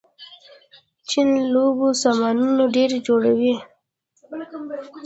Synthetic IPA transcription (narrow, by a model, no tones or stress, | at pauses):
t͡ʃinlobosamɑnunoɖeɾed͡ʒoɽawi